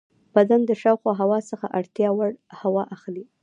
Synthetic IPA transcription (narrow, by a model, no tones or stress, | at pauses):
b̥ad̪and̪əʃɑwxwɑɦawɑsəxa̰ʔaɽt̪jɑwaɽhawɑʔaxli